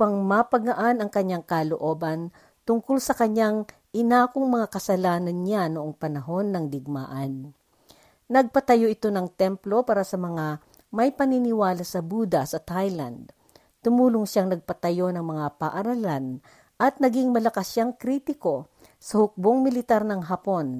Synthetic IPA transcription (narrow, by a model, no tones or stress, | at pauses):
pɐŋmapɐɡɐʔanɐŋkɐɲːaŋkɐloʔo̞bɐn | t̪ʊŋkʊlsɐkɐɲaŋ | ʔɪnaːkoŋmɐŋakɐsɐlaːnɐnɲanoʔoŋpɐnɐɦo̞nːɐŋlɪɡ̚ma̰ːʔɐn | nɐɡ̚pɐt̪ɐjo̞ʔɪt̪o̞nɐŋt̪ɛmplo̞paːɾasɐmɐŋa | mɐjpɐninɪwaːlɐsɐbuːd̪ɐsɐt̪ajlɐ̰nd̪̚ | t̪ʊmuːlʊŋʃaŋnɐɡ̚pɐt̪ɐjo̞nɐŋmɐŋapaʔɐɾɐlan | ʔɐt̪̚nɐɡiŋmɐlɐkɐsjaŋkɾiːt̪ɪko̞ | sɐhʊk̚boŋmɪlɪt̪aɾnɐŋɦapo̞n